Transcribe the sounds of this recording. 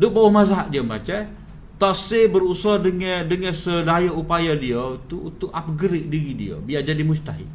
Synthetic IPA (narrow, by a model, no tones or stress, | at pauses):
dʊʔ̚bawɔhmazaɦaʔ̪̚diəmbat͡ʃa | t̪asebəɾusadəŋdəŋənsədajaupajadiət̪uːt̪ʊʔap̚ɡəɾɪʔ̚diɾidḭə̰biaʔd͡ʒadimud͡ʒt̪aɦḭʔ̚